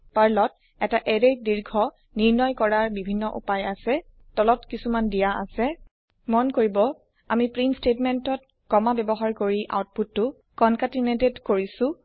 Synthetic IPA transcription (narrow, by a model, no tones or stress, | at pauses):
paɹlɔt̚ | ɛtaʔɛɹediɹɡʱɔ | niɹnɔjkɔɹaɹbibʱinːɔʔṵpajasɛ | tɔlɔtkisumandijaa̰sɛ | mɔnkoɹibɔ | amipɹinstetmɛntɔt̚ | kɔmabɛbɔɦaɹkoɹiʔa̰wt̚putːʊ | kɔnkatinetedkoɹisʊ̃